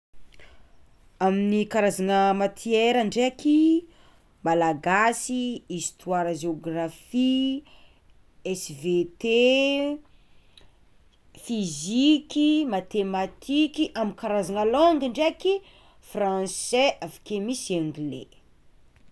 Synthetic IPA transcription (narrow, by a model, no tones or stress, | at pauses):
aminikaɾazanəmat̪ʰieɾəɳɖ͡ʐeaki | malaɡasiist̪ʰwaɾəʒeoɡrafi | ɛsvet̪e | fizikimat̪emat̪ʰikiʔamikaɾazanalɔŋɡiɳɖ͡ʐeaki | frãnsɛʔafḁkemisaŋɡlḛ